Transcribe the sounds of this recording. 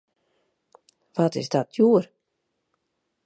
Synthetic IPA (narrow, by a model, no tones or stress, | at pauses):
ʋɔtɪ̰sdɔtʰjuər